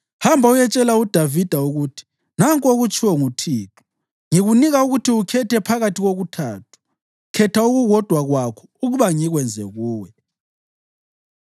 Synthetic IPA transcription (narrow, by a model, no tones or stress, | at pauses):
hambʱaujɛt͡ʃʼɛlaud̥ʱavid̥ʱauɣutʰi̥ | naŋkʼoɣut͡ʃʰʼiwɛŋutʰiːtʰu̥ | ŋiɣuniɣauɣutʰiukʰɛtʰɛpʰaɣatʰiɣoɣutʰaːtʰu̥ | kʰɛtʰauɣuɣɔd̥ʱwaɣwakʰɔ̥uɣuβaŋiɣwɛnd͡zʱɛɣuːwɛ